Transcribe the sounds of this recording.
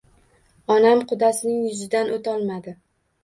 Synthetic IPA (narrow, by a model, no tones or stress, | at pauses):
ɒnamqʰʊd̪asɪnɪŋjʊzɪd̪anʔot̪ʰɒlˠmad̪ɪ